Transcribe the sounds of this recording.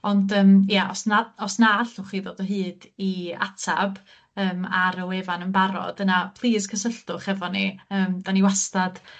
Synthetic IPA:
ɔndəːmjaʔɔ̰snaɔsnaɬʊχiːðoːdəɦɨːdia̰tʰa̰b | əːmaɾəwevanənbaɾɔ̰d̥ənapʰlˠiːskʰəsəɬtʊχɛvɔniəːmd̥aniwastad̥

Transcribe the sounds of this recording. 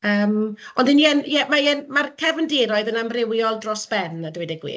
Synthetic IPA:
əːmɔndəniɛnjɛmajɛnmarkʰɛvəndɪɾɔɨðənamrɪwjɔlˠdrɔsb̥ɛnadwɛdɛɡwḭː

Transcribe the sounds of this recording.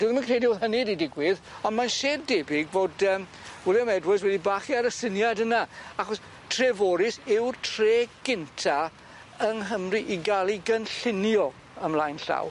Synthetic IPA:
d̥uːðmankʰreːdioːðɦənididɪɡwɪðɔndmanʃeːddebɪɡvoːdəːm | wɛlˠjəmɛdwɪs̬wɛdibaːχiaɾəsɪnjadənaaχɔs | tʰrevoːɾɪsɪwrtʰreːɡ̥ɪntʰa | əŋɦəmriʔiɡalˠiɡənɬɪnjɔ | əmlˠaːjnɬa̰w

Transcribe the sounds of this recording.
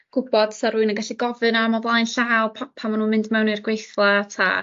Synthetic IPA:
ɡ̥ʊbɔd̥saɾuɨnaɡaɬiɡɔvɨnamavlˠajnɬaːwpʰpʰamanuːmɪndmɛwnirɡwejθlˠatʰa̰

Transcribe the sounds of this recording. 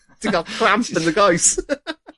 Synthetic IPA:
d̥ɪɡɔkʰɹ̥ãmpə̃nðəɡoʊs

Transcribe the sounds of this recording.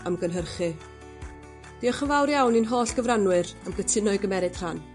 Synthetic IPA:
əmɡənɦərχɨ | d̥iɔχəvawɾjawninɦoːɬɡ̥əvranwɨɾəmɡətʰɪnɔɨɡəmɛɾɨd̥r̥an

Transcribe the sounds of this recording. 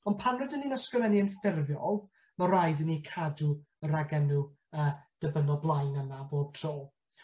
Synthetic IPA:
ɔnpʰanrʊdənːinəskəvɛniənfɪrvjɔ̰lˠ | marajdənikʰadu | əɾaɡɛnu | əːd̥əbənɔblˠajnəmaboːd̥̚tʰroːlˠ

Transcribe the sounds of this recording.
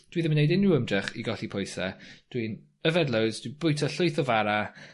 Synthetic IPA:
d̥wiðɪmnejdɪnuəmdrɛχiɡɔɬipʰɔjsɛ̰d̥win | əvɛdlˠəwzd̥wib̥ʊjtʰɔɬʊjθɔvaɾa

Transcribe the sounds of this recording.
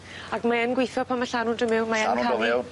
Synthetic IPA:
akmaɛnɡwejθɔpʰamaɬanʊndəmɪwmaɛpa

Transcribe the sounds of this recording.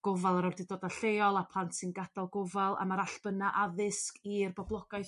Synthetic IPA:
ɡ̥ɔvalˠaɾɔrdidoːdaɬejɔlˠapʰlˠantsɪnɡadalˠɡɔvalˠa̰maɾaɬb̥ənaʔaðɪskirbɔblˠɔɡ̥ajθ

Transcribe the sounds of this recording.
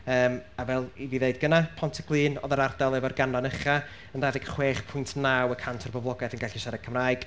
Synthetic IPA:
əːmavɛlˠiviðeɨd̚ɡənapʰɔntʰəɡ̥lˠɨːnɔ̰ðəɾardalˠɛvɔrɡanlanəχa | əndaðɪɡχweːχpʰʊjntʰnawəkʰantʰɔrbɔvlˠɔɡɛθənɡaɬiʃɛɾɛɡ̚kʰəmraːɨɡ̥

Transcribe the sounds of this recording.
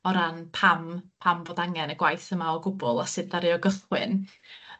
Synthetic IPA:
ɔɾanpʰampʰamvoːdaŋɛnəɡwajθəmaɔɡʊbʊlˠasɨddaɾiɔɡəθwɪ̰n

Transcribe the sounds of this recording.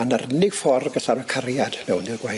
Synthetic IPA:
anarənɪɡ̥fɔrɡəɬaɾɔkʰarjad̥nɛwnɪlɡwa

